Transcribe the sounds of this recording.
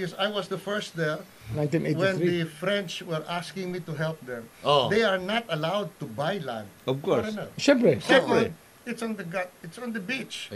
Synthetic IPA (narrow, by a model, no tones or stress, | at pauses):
ɔsajwɔsd̪əfɛɹst̪̚d̪ɛɹ | nãj̃t̪ĩnewɛ̃nd̪ifɹɛ̃nt͡ʃwɛɹʔaskɪ̃ŋmit̪ʊɦɛlp̚d̪ɛ̃mod̪ejɐɹnat̪ɐlawd̪̚t̪ubajlã̰nd̪ɔvkɔɹɾɛnaʃɛpɛʃɛb | ɪt̪sɔ̃nd̪əɡat̪̚ɪt̪sɔ̃nd̪əbit͡ʃ